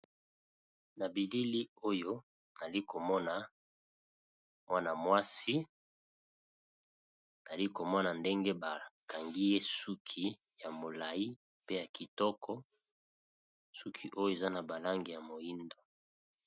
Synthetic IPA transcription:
na˨bi˨li˦li˦o˦jo˦ | n˨a˨li˦ko˨mɔ˦na˨ | mwa˦na˨mwa˦si˦ | za˨li˦ko˨mɔ˦na˨nde˦ŋɡe˦ba˨ka˨ŋɡi˦je˦su˦kʰi˦ | ja˨mo˨la˨i˦ | pe˦ja˨ki˨tɔ˦kʰɔ˦ | su˦kʰi˨˦ʔo˦jo˦˨e˨za˦na˨ba˨la˦ŋɡi˨ja˨mo˨ji˦ndo˨

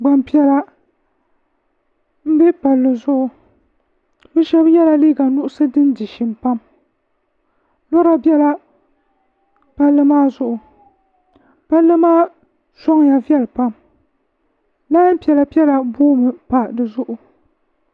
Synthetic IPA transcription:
ɡ͡ba˨mpi˦ɛ˦la˦ | m̩˦bɛ˦pa˨lːɨ˨zʊ˦ʔʊ˦ | bɨ˦ʃɛ˦bjɛ˦la˦liː˦ɡa˨nʊ˦ʔʊ˦sɨ˦dɨ˦ndi˨ʃi˨mpa˦m | lɔ˦ɾa˦bɛ˦la˦ | pa˦lːɨ˦maː˦zʊ˦ʔʊ˨ | pa˦lːɨ˦maː˦ | sɔ˦ŋ˨ja˨vi˦ɛ˦lɨ˨pa˦m | la˦m˦pi˨ɛ˨la˨pi˦ɛ˦la˨buː˦mɨ˨pa˨dɨ˨zʊ˦ʔʊ˨

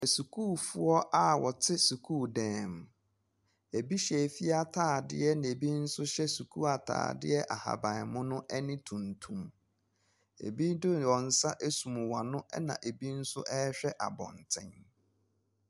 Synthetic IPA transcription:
æ˨su˨kʰuː˦˨fʊ˦ɔ˦ʔa˦wɔ˨tʰɪ˦su˨kʰuː˦˨dɛ̃ː˨m | e˨bi˦ɕɛ˨fi˦a˦tʰaː˦˨dɪ̰˦ɛ˦n˨e˨bi˦n̩˦sʊ˦ɕɛ˦su˨kʰu˦a˨tʰa̰ː˨dɪ̰˦ɛ˦ʔa˨ha̰˨bã˨mʊ̃˦nʊ̃˦ʔɛ˦nɪ̃˦tʰũ˨n˨tʰũ˨m | ḛ˨bi˦dʊ˦wɔ̃˨n̩˨˦sa˦ʔe˦sũ˨mʊ̃˨wa˨nʊ̃˦ɛ̰˦nã̰˨ʔe˨bi˦n̩˦sʊ˦ʔɛ˦ɕᶣɛ˦ʔa̰˨bɔ̰̃˨n˨tʰɪ̰̃˦n

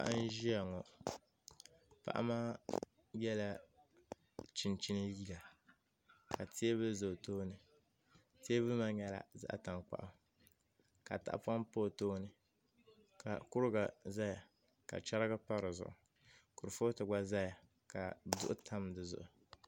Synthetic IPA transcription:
pa̰˨ʔa̰˦n˦ʒi˦a˨ŋɔ˨ | pa̰˨ʔa̰˦maː˦ | jɛ˦la˦ | t͡ʃi˨nt͡ʃi˦nɨ˦ji˦ɡa˨ | ka˨ti˦e˦βɨ˦zo˨toː˦nɨ˨ | ti˦e˦bɨ˦ma˦ɲɛ˦la̰˨za̰˦ʔta˨ŋk͡pa̰˨ʔa˨ | ka̰˨ta̰˨ʔpa˦mpoː˦˨toː˦nɨ˨ | ka̰˨kʊ˦ɾɨ˦ɡa˨za˦ja˨ | ka̰˨t͡ʃa˦ɾɡa˦pa˦ɾɨ˨zʊ̰˨ʔʊ˨ | kʊ˨ɾfo˦tɨ˨ɡ͡ba˦za˦ja˨ | ka˨dʊ̰˦ʔʊ˦tʰa˦mdɨ˨zʊ̰˨ʔʊ˨

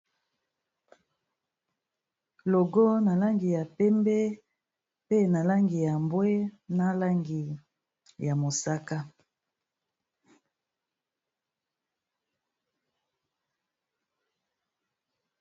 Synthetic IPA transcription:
lo˨ɡo˦na˨la˦ŋɡi˨ja˨pɛ˦mbɛ˦ | pe˦na˨la˦ŋɡi˨ja˨mbwe˦na˦la˦ŋɡi˨ | ja˨mo˨sa˦ka˦

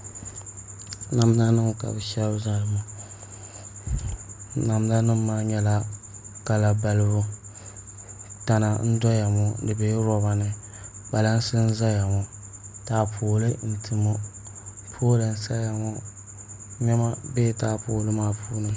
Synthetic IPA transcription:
na˨m˦la˦nɨ˦ŋ˨ka̰˨bɛ˨ʃɛ˦lbza˦lɨ˦ma˨ | na˨m˦na˦nɨ˦mː˦aː˦ɲɛ˦la˦ | ka˨la˨ba˦lɨ˦bʊ˦ | ta˨na˨n̩˦dɔ˦ja˨mɔ˨dɨ˨be˨˦ɾɔ˦ba˨nɨ˨ | ba˨la˦n̩˦sɨ˦n̩˦za˦ja˨ŋɔ˨ | taː˦pʰoː˨lɨ˦n̩˨tʰɨ˨mo˦ | pʰoː˦lɨ˨n̩˦sa˦ja˨ŋɔ˦ | ɲɛ˦ma˦beː˦˨taː˦poː˨lɨ˦maː˦puː˦nɨ˦

